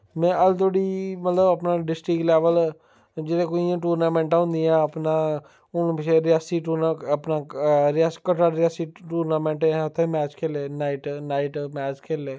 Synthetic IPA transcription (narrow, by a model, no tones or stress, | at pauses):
mɛ̃ːʔəlt̪oɽiːmət̪ləbəpnaːɖɪsʈɾɪklɛːʋəl | d͡ʒɪɾẽːkoiãːʈuːɾnaːmẽːɳʈãʊ̃nd̪iːãːəpnaː | ʊnpɪʃeɾɪjaːsiːʈuːɾaəpnaːɾaːskəʈaɾɪjaːsiːʈuːɾnaːmẽːɳʈẽʊt̪ʰːẽmɛːt͡ʃkʰeːleːnaːɪʈnaːɪʈmɛːt͡ʃkʰeːleː